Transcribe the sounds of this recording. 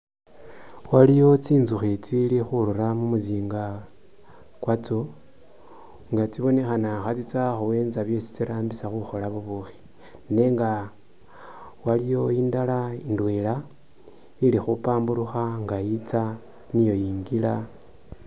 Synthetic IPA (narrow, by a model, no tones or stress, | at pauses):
walijo̞t͡siːnzuxet͡silixuluɾamumuziːŋɡa | kwat͡so | ŋɡat͡siβo̞ne̞xanaxat͡sit͡saxuwe̞ːnaβjo̞si̥t͡siɾaːmbisaxuxo̞laβuβuxi̥ | ne̞ŋɡa | walijo̞iːndalaindwela | ilixupaːmbuɾuxaŋɡait͡sa | nijo̞jiːŋɡila